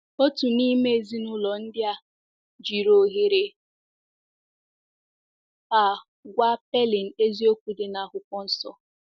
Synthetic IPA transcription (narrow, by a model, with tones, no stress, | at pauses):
o˦tu˨ni˦me˦e˨zi˦nʊ˦lɔ˨n̩˦dɪ˦a˦ | d͡ʒi˨ɾo˨ɣe˨ɾe˨ | a˨ | ɡʷa˦pe˦li˨n̩˨e˦zi˦o˦kʷu˨de˨na˨ɦʊ˨kʷɔ˦n̩˦sɔ̰˨